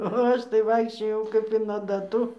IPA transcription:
oː ˈɐʃ tɐɪ ˈʋɐɪkʃʲt͡ʃʲoːjɛʊ kɐp ɪn ɐdɐˈtuː

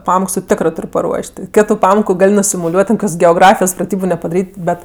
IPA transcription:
ˈpɑːmoːks tʲɪ ˈtʲɪkrɜ pɐˈruɔʃʲtʲ tʲɪ ˈkʲɪtʊ ˈpɑːmoːkʊ ˈɡɐlʲ nʊsʲɪmʊˈlʲuɔtʲ tʲɛn ˈkoːkʲoːs ɡʲɛoːˈɡrɑːfʲɪjoːs prɐˈtʲiːbʊ nʲɛpɐdɐˈrʲiːtʲ ˈbʲɛt

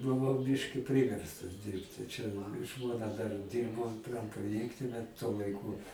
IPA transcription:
bʊˈʋɐʊ ˈbʲɪʃʲkʲɪ ˈpʲrʲɪʋʲɛrstɐs ˈdʲɪrʲpʲtʲɪ t͡ʃʲɛ ˈʒmoːnɐ dɐr ˈdʲiːrboː prɐmproːˈjæːktʲɛ tuɔ lˠɐɪˈkʊ

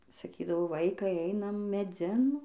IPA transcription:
sɐˈkʲiːdɐʋoː ˈʋɐɪkɐɪ ˈɛɪnɐm mʲɛˈd͡zʲɪn

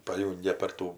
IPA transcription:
pɐˈjuːŋʲɡʲɛ pʲɛr ˈtuː

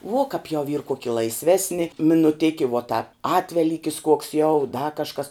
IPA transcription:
ʋuɔ kɐp jɛʊ iːr ˈkoːkʲɪ lˠɐɪsʲˈʋʲæːsʲnʲɪ mʲɪnʊˈtʲɪkʲɪ ʋuɔt tɑːp ˈɑːtʲʋʲɛlʲiːkʲɪs ˈkuɔks jɛʊ dɐ kɐʃˈkɐs

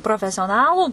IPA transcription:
proːfʲɛsʲoːˈnɑːlˠuː

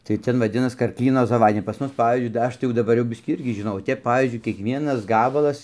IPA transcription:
tɐɪ ˈtʲɛn ʋɐˈdʲɪnɐs kɐrˈklʲiːnoː zɐˈʋɑːdʲnʲɛ pɐs ˈmʊs ˈpɑːʋʲiːzʲd͡ʒʲʊɪ dɐ ˈɐʃ tɐɪ dɐˈbɐr jɛʊ ˈbʲɪsʲkʲiː ˈɪrʲɡʲɪ ʒʲɪˈnɐʊ oː ˈtʲɛp ˈpɑːʋʲiːzʲd͡ʒʲʊɪ kʲiɛkˈʋʲiɛnɐs ˈɡɑːbɐlˠɐs

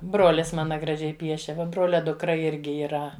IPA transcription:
ˈbroːlʲɪs ˈmɑːnɐ ɡrɐˈʒʲɛɪ ˈpʲiɛʃʲeː ˈʋɐ ˈbroːlʲɛ dʊkˈrɐ ˈɪrʲɡʲɪ iːˈrɐ

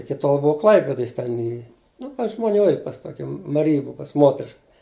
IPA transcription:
ˈɪkʲɪ toːlˠ ˈbʊʋoː ˈklˠɐɪpʲɪdoːj jɪs ˈtʲɛn ɪ ˈnʊ pɐs ʒmoːˈnʲuː ɪr pɐs ˈtoːkʲɪ mɐˈrʲɪjɛ ˈbʊʊ pɐs ˈmoːtʲrʲɪʃk

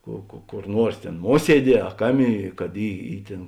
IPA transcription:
koː koː ˈkoːr ˈnuɔrs ˈtʲeːn ˈmuɔsʲiɛˌdʲiɛ ɐ ˈkɑːˌmʲeː kɐt ˈiː ˈiː ˈtʲeːn

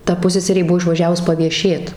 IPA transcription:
ˈtɐ ˈpʊsʲsʲɛsʲɛrʲeː ˈbuɔ ɪʃʋɐˈʒʲæːʋʊs pɐʋʲiɛˈʃʲeːt

